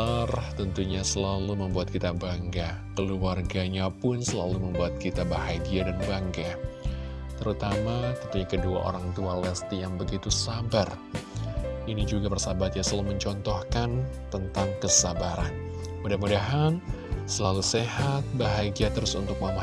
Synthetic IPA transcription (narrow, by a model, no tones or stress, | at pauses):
art̪ənt̪uɲasəlaluməmbuat̪̚kit̪abaŋɡa | kəluarɡaɲapʊnsəlaluməmbuat̪̚kit̪abahaɡiadanbaŋɡa | t̪əɾut̪amat̪ənt̪uɲakədua̰ʔo̰ɾaŋt̪ualɛst̪ijaŋbəɡit̪usabar | inid͡ʒuɡabərsabat̪jasəlaluməɲt͡ʃɔnt̪ɔhkant̪ənt̪aŋkəsabaɾa̰n | mudahmudaɦan | səlalusehat̪̚baɦaɡiat̪əɾʊsṵnt̪ʊk̚mama